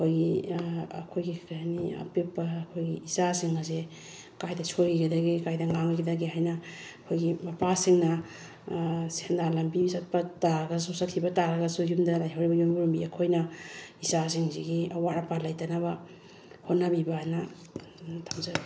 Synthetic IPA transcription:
ɐkʰojɡiɐ̰kʰojɡikʰajniɐ̰pipːaːkʰojɡiisasiŋaz̬e | kajdɐt͡ʃʰoɡiɡadɐɡikajdɐŋaŋɡɐdɐɡiɦajnɐ | kʰojɡibapasiŋnɐ | sendalɐmpiisat̚pɐtaɾɡɐs̬usakʰibɐtaɾaɡɐsujumdɐlajɦawɾibɐjumibɾumbiɐkʰojnɐisas̬iŋziɡiɐwaɾapalajtanaβɐ | honːabibana | tʰamza

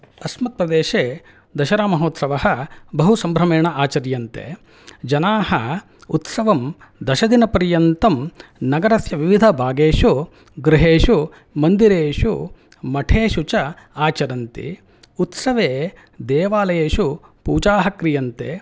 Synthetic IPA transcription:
ɐsmɐt̪̚pɾɐd̪eːʃeː | d̪ɐʃɐɾaːmɐɦoːt̪sɐʋɐɦɐ̆bɐɦusɐmbʱɾɐmeːɳɐʔaːt͡ʃɐɾjɐnt̪ḛː | d͡ʒɐnaːhɐ | ut̪sɐʋɐm | d̪ɐʃɐd̪inɐpɐɾjɐnt̪ɐmnɐɡɐɾɐsjɐʋiʋid̪ʱɐbʱaːɡeːʃu | ɡɾɪɦeːʃu | mɐnd̪iɾeːʃu | mɐʈʰeːʃut͡ʃɐ | aːt͡ʃɐɾɐnt̪ḭ | ut̪sɐʋeː | d̪eːʋaːlɐjeːʃupuːt͡ʃaːɦɐkɾijɐnt̪ḛː

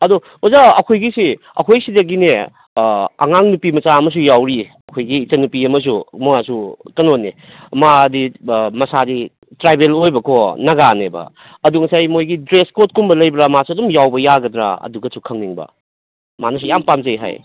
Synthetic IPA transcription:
ɐdu | ozaɐkʰojɡisi | ɐ̰kʰojsidɐɡine | ɐ̰ŋaŋnupimɐsaɐmɐs̬ujawɾi | ɐkʰojɡiːt͡ʃɐnupiɐmɐs̬umuasukɐnonːe | madimɐsadi | tɾajbelojbɐkʰonɐɡanḛbɐ̰ | ɐduŋɐsajmojɡidɾeskot̚kumbɐlɐjbɾamasuɐdumjawbɐjaɡɐdɾa̰ɐ̰duɡɐsʰukʰɐŋniŋbɐ̰ | manɐs̬ujampamzɐjɦa̰j

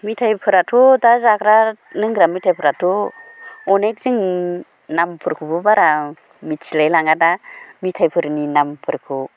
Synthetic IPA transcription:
mitʰajpʰɯɾatʰudazakɾa | nɯŋɡɾamitʰajpʰɯɾatʰu | ɔnek̚ziŋ | nampʰɯɾkʰubɯbaɾa | mitsilajlaŋɡadamitʰajpʰɯɾninampʰɯɾkʰu

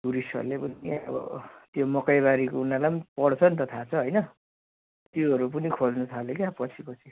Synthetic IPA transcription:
ɡuɾisʌ̰rlepʌniʌ̰bʌ̰t̪jomʌkajβaɾikounalapʌnipʌɽt͡sʰʌnt̪ʌt̪ʰat͡sʰʌɦʌjnʌ | t̪joɦʌɾup̬ʌnikʰod͡znʌt̪ʰalekjapʌt͡sʰipʌt͡sʰi

